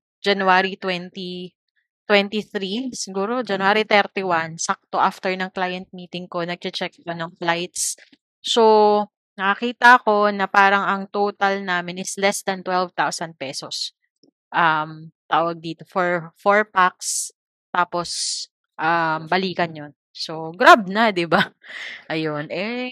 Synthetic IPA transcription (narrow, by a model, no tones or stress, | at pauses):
d͡ʒɐnuaɾit̪wɛnt̪i | t̪wɛnt̪iθɾisɪɡuːɾod͡ʒɐnʊaːɾit̪ɛɾt̪iwansak̚t̪oʔaft̪ɛɹnɐŋklaːjɐnt̪̚miːt̪ɪŋko̞nɐɡ̚t͡ʃɐt͡ʃɛk̚konɐŋflajt̪̚s | so | nɐkɐkiːt̪ɐʔɐko̞nɐpaːɾɐŋɐŋt̪ot̪ɐlnaːmɪnɪslɛsd̪ɐnt̪wɛlvt̪awsɐnd̪̚pɛːsos | ʔɐmt̪aːwɐɡ̚d̪iːt̪o̞fɔɹfoɹpak̚s | t̪aːpo̞s | ʔambɐliːkɐnjon | so̞ɡɾab̚nɐd̪ɪbaʔɐjonʔɛ